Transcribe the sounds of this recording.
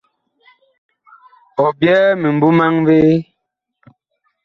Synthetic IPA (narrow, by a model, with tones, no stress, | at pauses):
ɔ˨bjɛː˦me˨m˨bu˦ma˦ŋveː˦